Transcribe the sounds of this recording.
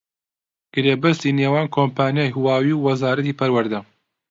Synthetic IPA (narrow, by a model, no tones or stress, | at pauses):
ɡ̥ɨɾeːbɐst̪iːneːwaːnkʰoːmpʰaːnjaːjɦuwaːwiːwwɐzaːɾɐt̪ipɐɾwɐɾd̪ɐ